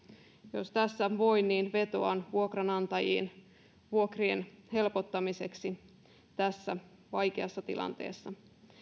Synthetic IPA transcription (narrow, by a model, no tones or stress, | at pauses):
jo̞st̪æsːæʋo̞jnːiːnʋe̞t̪o̞ɑnʋuokrɑnɑnt̪ɑjḭːn | ʋuokrienhe̞lpot̪ːɑmise̞ksi | t̪æsːæ | ʋɑjkeɑsːɑt̪ḭlʔɑ̰nt̪e̞̰ːsːɑ